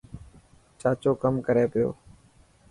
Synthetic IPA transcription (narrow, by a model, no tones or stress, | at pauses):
t͡ʃaːt͡ʃoːkəmkəɾeːpɪjo̰ː